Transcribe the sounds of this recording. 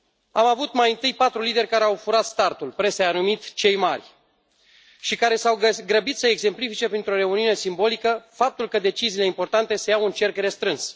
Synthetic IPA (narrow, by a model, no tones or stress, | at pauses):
amavut̪majɨnt̪ɨjpat̪ɾulid̪e̞rʲkaɾeawfuɾat̪st̪art̪ulpɾe̞seanumit̪t͡ʃe̞jmarʲ | ʃikaɾe̞sawəɡɾəbit̪səeɡse̞mplifit͡ʃe̞pɾint̪ɾo̞ɾe̞uniune̞simbo̞likəfap̚t̪ulkəd̪e̞t͡ʃiziːle̞impo̞rt̪ant̪e̞sejawunt͡ʃe̞rkre̞st̪ɾɨns